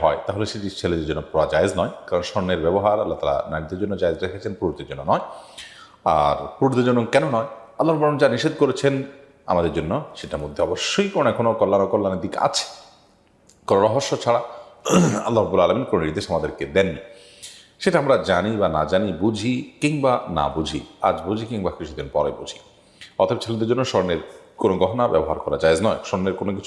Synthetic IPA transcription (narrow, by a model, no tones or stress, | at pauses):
ɦɔet̪aɦoleʃeʈit͡ɕʰeled͡ʑed͡ʑonːopɔad͡ʑaeznɔekaɾonʃɔnːeɾbɛboɦaɾalːat̪a̰la̰naɽit̪eɾd͡ʑonːod͡ʑaezɾekʰet͡ɕʰenpɾuɾit̪ʰiɾd͡ʑonːonɔe | a̰ɾpɾuɾit̪ed͡ʑonːokɛnonɔe | alːaɾbulamind͡ʑaniʃed̪̚koɾet͡ɕʰen | a̰mad̪eɾd͡ʑonːoʃeʈamod̪ʱːeɔboʃːojkɔonõɛkʰonokolːanokolːaned̪ika̰t͡ɕʰe̥ | konoɾɔɦoʃːot͡ɕʰaɽa | ɐ̰lːaɦɾabːulaːlaminkononiɾd̪eʃamad̪eɾked̪ɛnːi | ʃeʈaamɾad͡ʑanibana̰d͡ʑanibud͡ʑʱikiŋbana̰bud͡ʑʱia̰d͡ʑbud͡ʑʱikiŋbakit͡ɕʰud̪inpɔɾebud͡ʑʱi | ɔ̰t̪ʰaebat͡ɕʰelod̪eɾd͡ʒd͡ʑonːoʃɔɾneɾkonoɡɔɦonabɛ̰boɦaɾkɔɾa̰d͡ʑaed͡ʑnɔeʃɔɾneɾkonokit͡ɕʰu